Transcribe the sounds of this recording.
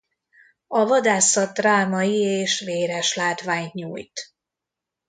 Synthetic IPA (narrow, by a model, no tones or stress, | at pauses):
ɒvɒd̪aːsɒt̪ːraːmɒjieːʃʋeːɾɛʃlaːt̪ʋaːɲɲuːjt̪